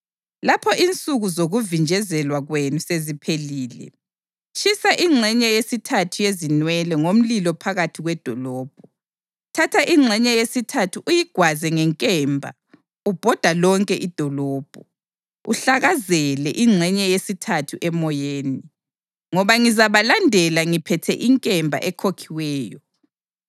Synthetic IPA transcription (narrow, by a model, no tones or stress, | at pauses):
lapʰɔʔint͡sʼuɣuzoɣuvind͡ʒʱɛzɛlwaɣwenusezipʰeliːlɛ̰ | ʃisaʔiŋ͡ǁʱɛɲɛjesitʰatʰujezinwɛlɛŋom̩lilɔpʰaɣatʰiɣwɛd̥ʱɔlɔːb̥̚ʱɔ | tʰatʰaʔiŋ͡ǁʱɛɲɛjesitʰatʰuʔujiɡ̥ʱwazɛŋɛŋkʼɛːmbʱa̰ | ub̥ʱɔd̥ʱalɔŋkʼɛʔid̥ʱɔlɔːb̥ʱɔ | ṵɬaɣazɛlɛʔiŋ͡ǀʱɛɲɛjesitʰatʰuʔɛmɔjeːni | ŋɔβaŋizaβalandʱɛlaŋipʰɛtʰɛʔiŋkʼɛmbʱa̰ʔɛkʰokʰiwɛːjɔ